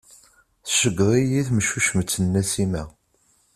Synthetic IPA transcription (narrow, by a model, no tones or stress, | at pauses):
θʃəɡʁˤijiθmʃuʃəmət͡sːənːæsimæ